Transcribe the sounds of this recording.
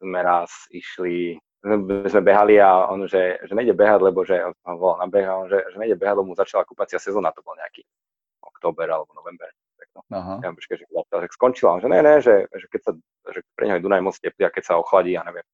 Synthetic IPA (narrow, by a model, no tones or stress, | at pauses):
zmɛɾasiʃli | ɛɛzmɛbɛɦaliaɔ̰nʒɛʒɛɲɛjɟɛbɛɦaɟlɛbɔʒɛɔanʋɔlalnabɛɣaɔnʒɛʒɛɲɛjɟɛbɛɦaɟlɛbɔmuzat͡ʃalakupat͡siasɛzɔːnat̪ɔbɔlɲɛaki | ʔɔ̰kt̪ɔːbɛɾalɛbɔnɔʋɛmbɛɾ | pɛknɔjaɔmɔʃkɛʒɛszapit̪alʃakskɔnt͡ʃilaɔnʒɛnɛnɛʒɛʒɛkɛcsa | ʒɛpɾɛ̰ɲɦɔjɛd̪unajmɔt͡scɛpliakɛcsaɔxlaɟiːaɲɛʋɪɛm